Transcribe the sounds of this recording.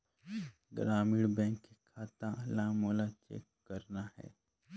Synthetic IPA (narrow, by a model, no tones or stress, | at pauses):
ɡɾaːmiɽbɛ̃ːŋkːekʰaːt̪ãlãːmoːlat͡ʃḛːkːɐɾnaɦɛ̰ː